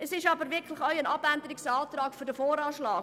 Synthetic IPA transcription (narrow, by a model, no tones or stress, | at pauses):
ɛsɪʃɑbəɾʋɪkʰlɪxœʏənɑbændəɾɪksaːtrɑːkfyɾdəfoːɾɑːʃlɑːk